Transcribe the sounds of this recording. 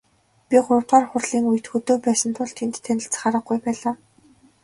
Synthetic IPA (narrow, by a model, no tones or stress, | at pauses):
pʲiχʊɾ̆wt̪aːrχʊrɮiːŋujɘ̆t̪xɵt̪oːpæːsə̆nt̪ʰʊɮt̪ʰent̪ːʰænɪ̆ɬt͡sχaɾə̆ɡ̚ɡujpæːɮaː